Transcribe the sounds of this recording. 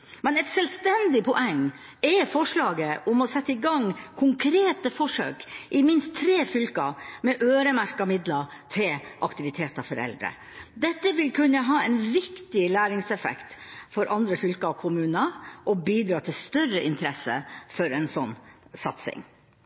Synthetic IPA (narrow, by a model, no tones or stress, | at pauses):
mɛnɛt̪sɛlst̪ɛnd̪ɪpʰɔʔɛŋː | ɛfɔʂɭɑːɡəʔʊmɔsɛt̪ːəɪɡɑŋkʰʊŋkʰɾeːt̪əfɔʂø̰ːkʔɪmɪnst̪ʰːɾeːfʏlkɑmɛʔøːɾəmæɾkɑmɪd̪lɑ | t̪ʰɪlʔɑkt̪ɪʋɪt̪ʰeːt̪ɑfɔɾɛ̰ld̪ɾə̰ | d̪ɛt̪ːəʋɪlkʰʉnːəɦɑːɛnʋɪkt̪ɪlæːɾɪŋsɛfɛ̰kt̪fɔɾʔɑnd̪ɾəfʏlkɑɔkʰʊmʉːnəʔɔbiːd̪ɾɑːt̪ʰɪlst̪œrəʔɪnt̪ʰɾɛsə̰fɔɾɛnsɔnːsɑ̰t̪sɪ̰ŋ